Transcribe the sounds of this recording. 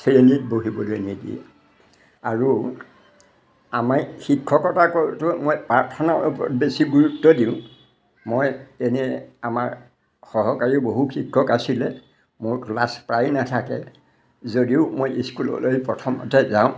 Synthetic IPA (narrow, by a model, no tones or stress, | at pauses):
tʰɹenit̚boɦibɔlojneɡḭɛ̰ | aɹu | amaɹxikʰːɔkɔtakɔtʊmojpaɹtʰɔnaɔpɔbesiɡuɹutːɔdiʊ̃ | mojenɛamaɹ | xɔɦɔkaɹiboɦuxikʰːɔkasilɛ | moɹklaspɹajnatʰakɛ | zodiʊmojiskulɔ̰lojpɹɔtʰɔmɔ̰tɛzaʊ̃